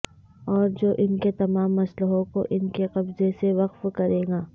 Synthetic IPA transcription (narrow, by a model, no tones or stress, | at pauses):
ɔːɾd͡ʒoːʔɪnket̪ɐmaːmːɐsləɦõkoʔɪnkeqɐbzeseʋɐqfkɐɾẽːŋɡaː